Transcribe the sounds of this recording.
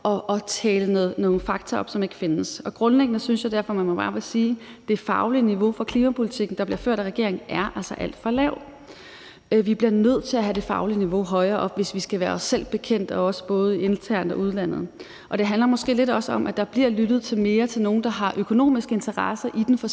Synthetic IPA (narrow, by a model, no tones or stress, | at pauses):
ʔɒ̽ʔɒ̽t͡sʰɛːlənoð̩ˠnɔːfɑ̈ɡ̥̚t͡sʰɐɒ̽b̥sɒ̽me̝ɡ̥əfe̝nəsɒ̽ɡ̥ʁɔ̽nleɡ̥ənəsynsjɑ̈d̥æɐfɒ̽mænmɒ̽b̥ɑ̈ːʋeɐsiː | d̥e̝fɑ̈ʊliniʋo̝fɒ̽kʰlimæpʰo̝lit͡sʰiɡ̥n̩d̥ɑ̈b̥liɐføɐ̰ɾ̥æʁɛɡ̥e̝ɐ̰e̝ŋ̩ʔæɐʔælsɐʔæl̰d̥fɒlɛʊ̰ | ʋib̥liɐnøð̞̰ˠt͡sʰe̝læɦæd̥e̝fɑ̈ʊliniʋo̝ɦɒ̽ɪɐːʔɒ̽ʋe̝sʋisɡ̥æʋæːɐɒ̽sel̰b̥e̝kʰen̰d̥ɒ̽ɒ̽sə̥b̥ɔ̽ːð̞̩ˠie̝nt͡sʰæɐ̰nd̥ɒ̽uð̞ˠlæn̰ð̞̩ˠ | ʔɒ̽d̥e̝ɦænlɐmɒ̽sɡ̥e̝̰ːle̝ɾɒ̽səɒ̽mʔæd̥ɑ̈b̥liɐ̰lydð̩ˠt͡sʰe̝lme̝ːɐt͡sʰe̝lno̝ːn̩d̥ɑ̈ɦɑ̈ʔøkʰo̝no̝̰ːmisɡ̥əe̝nt͡sʰɐʁɑsɐʔid̥enfɒ